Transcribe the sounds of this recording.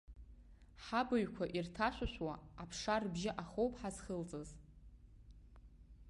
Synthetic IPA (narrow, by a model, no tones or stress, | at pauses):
ħabaɥkʷʰaʔirtʰaʃʷaʃʷwaːpʰʂarbʒɪʔaχowpʼħazχəlt͡sʼɨz